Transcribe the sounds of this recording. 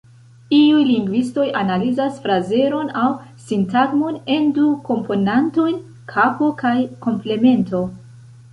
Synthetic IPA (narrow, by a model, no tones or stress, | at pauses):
iujliŋɡvisto̞janalizasfɾaze̞ɾo̞nawsintaɡmone̞nduko̞mpʰo̞nanto̞jn | kʰapo̞kajko̞mple̞me̞nto̞